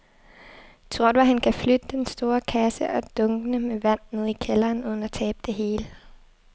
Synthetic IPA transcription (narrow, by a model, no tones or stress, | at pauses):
t͡sʰʁoɐ̰d̥ʋæɦhænkʰæflød̥əd̥ensd̥o̝ːɐkʰæsəʔɒ̽d̥ɔ̽ŋɡ̥ənəmeʋæn̰ne̝ð̰ˠikʰelɐːnuːð̞ˠn̩æt͡sʰɛːb̥̚d̥e̝ɦe̝ːlə